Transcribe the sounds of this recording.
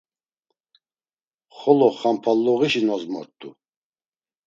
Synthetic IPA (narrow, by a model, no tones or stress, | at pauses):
χɔlɔχampʰalːɔʁiʃinɔzmɔ̰ɾt̪ʼṵ